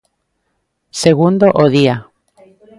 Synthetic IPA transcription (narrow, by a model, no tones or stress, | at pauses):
seɣund̪oʔoðia